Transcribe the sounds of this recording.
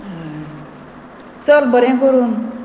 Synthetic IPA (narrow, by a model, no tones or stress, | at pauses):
t͡sʌɾbʌɾjãkoɾun